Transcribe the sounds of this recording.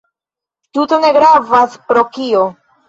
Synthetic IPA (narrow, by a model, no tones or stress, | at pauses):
tuto̞ne̞ɡɾavaspɾo̞kio